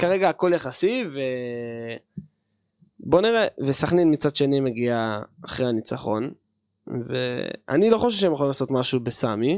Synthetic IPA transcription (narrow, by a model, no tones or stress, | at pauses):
kaʁe̞ɡaːko̞ljaχasive | bo̞niʁevesaχnenmit͡sadʃe̞nime̞ɡiaːχʁejanit͡saχo̞̰n | vḛa̰nilo̞χoʃevʃeemjeolimlaso̞t̪maʃubesami